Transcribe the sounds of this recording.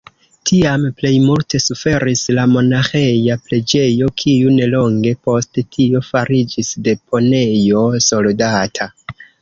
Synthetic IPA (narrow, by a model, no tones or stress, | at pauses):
tʰiample̞jmultʰe̞sufe̞ɾislamo̞naxe̞japɾe̞d͡ʒe̞jo̞kʰiune̞lo̞ŋɡe̞po̞sttʰio̞faɾid͡ʒisde̞pʰo̞ne̞jo̞so̞ldatʰa